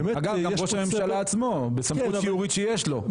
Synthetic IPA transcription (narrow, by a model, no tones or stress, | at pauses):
aɡavɡaʁoʃamemʃalaːt͡smo̞besamuijuʁit̪ʃejeʃlo̞